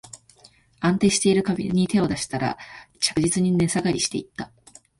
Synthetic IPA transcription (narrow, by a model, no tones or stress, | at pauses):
ãnt̪e̞ːɕi̥t̪e̞iɾɯ̟kabʲḭɲ̟it̪ʰe̞o̞d̪aɕi̥t̪aɾa̰t͡ɕḁkɯ̟ʑit͡sɨɲ̟inẽ̞saɡaɾʲiɕi̥t̪e̞it̪ːa